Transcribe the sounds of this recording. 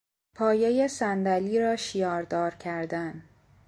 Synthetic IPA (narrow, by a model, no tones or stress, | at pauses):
pʰɒːjejesænd̪æliːɾɒːʃijɒːɾd̪ɒːɾcʰæɾd̪æn